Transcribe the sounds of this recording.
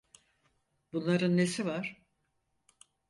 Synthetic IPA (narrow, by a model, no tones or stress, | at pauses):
bunlˠaɾɯnːe̞sivaɾ̥